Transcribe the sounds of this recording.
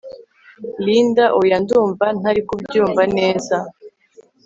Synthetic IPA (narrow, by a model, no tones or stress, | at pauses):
lindaʔojanduːɱvan̥aɾikubɟuːɱvane̞ːza